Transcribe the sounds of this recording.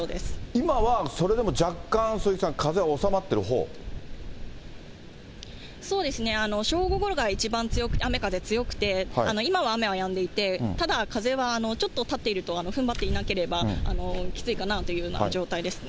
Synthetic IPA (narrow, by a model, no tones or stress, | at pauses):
oːd̪e̞sɨ̥imaβaso̞ɾe̞d̪e̞mo̞d͡ʑakːãɰ̃sɨisãŋkaze̞ao̞samat̪ːe̞ɾɯ̟ɦo̞̰ː | so̞ːd̪e̞sɨne̞ano̞ɕo̞ːɡo̞ɡo̞ɾo̞ɡait͡ɕibãnt͡sɨjo̞kɯ̟t̪eame̞kaze̞t͡sɨjo̞kɯ̟̥t̪e̞ano̞imaβaːme̞βajãnd̪e̞it̪e̞t̪ad̪akaze̞βaːno̞t͡ɕo̞t̪ːot̪at̪ːe̞iɾɯ̟t̪o̞ano̞ɸɯ̟mbat̪ːeinake̞ɾe̞baa̰no̞kʲi̥t͡sɨikanat̪ojɯ̟ɯna̰d͡ʑo̞ːt̪aid̪e̞sɨ̥